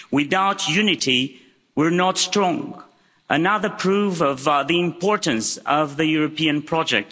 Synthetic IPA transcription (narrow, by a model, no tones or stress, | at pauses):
wɪðaʊtʰjʉnɪɾi | wə˞nətstɹ̥ɔ̃ŋ | ʔənʌðə˞pʰɹ̥ufʌvðiɪ̃mpʰɔɹtə̃nsʌvðɨjuɹəpĩɨ̃npʰɹ̥ɔd͡ʒɛ̰k̚t